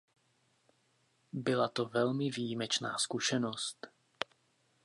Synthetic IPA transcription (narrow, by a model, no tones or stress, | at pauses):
bɪlat̪o̞vɛlmɪvijimɛt͡ʃna̰ːskuʃɛno̞st̪